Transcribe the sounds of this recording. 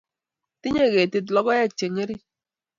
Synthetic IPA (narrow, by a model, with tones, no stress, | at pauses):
ti˦ɲe˦˨ɣe˨tɪ˨tlɔ˦ɡɔ˦je˦t͡ʃe˨ɲe˦ɾi˦